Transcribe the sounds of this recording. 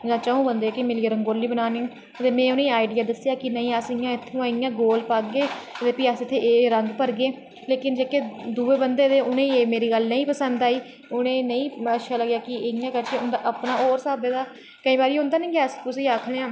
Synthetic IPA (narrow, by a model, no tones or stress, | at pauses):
jãːt͡ʃaõːbənd̪eːaːkɪmɪliːɾəŋɡoːliːbənaːneːũː | ət̪eːmɛ̃ːʊnẽːaːiɖɪjaːd̪əsɪjaːkɪnəĩːəsɪjãːɪt̪ʰːõːɪjãːɡoːlpakɡeːt̪eːpiːəsɪt̪ʰːeːeːɾəŋɡpəɾɡeː | leːkɪnd͡ʒeːkeːd̪uːeːbənd̪eːd̪eːʊnẽːeːmeːɾiːɡəlnəĩːpəsənd̪aːiː | ʊnẽːnəĩːəʃʰaːləɡjaːkɪɪɪjãːkəɾt͡ʃẽʊnd̪aːʔəpnaːoːɾsaːbeːd̪aː | kəĩːbaːɾiːʊnd̪aːnə̃ĩːɡaːskʊsiːaːkʰɽeãː